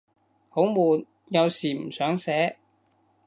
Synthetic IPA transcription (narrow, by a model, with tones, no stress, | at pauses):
ho˨˥wmuː˨˩n | jɐ˨˧wsiː˨˩m̩˨˩sœː˨˥ŋsɛː˨˥